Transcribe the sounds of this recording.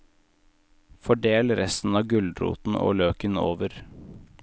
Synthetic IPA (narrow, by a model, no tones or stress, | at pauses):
fɔɖeːlɾɛst̪n̩ɑːɡʉld̪ɾṵːt̪n̩o̰ːløːkəno̰ːʋəɾ